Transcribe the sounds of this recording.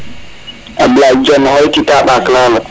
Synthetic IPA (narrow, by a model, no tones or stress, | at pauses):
ʔablad͡ʒɔnhɔjtitaɓaklaːla